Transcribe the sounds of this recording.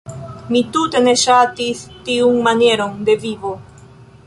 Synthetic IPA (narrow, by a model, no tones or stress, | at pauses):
mit̪ut̪eneʃat̪ist̪iuŋmaneɾoŋd̪eviβo